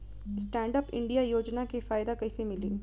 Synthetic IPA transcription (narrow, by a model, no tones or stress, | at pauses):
sʈɛ̃ːɳɖəpɪ̰̃ɳɖijajoːd͡ʒnakefaːjd̪akɐisemɪlḭː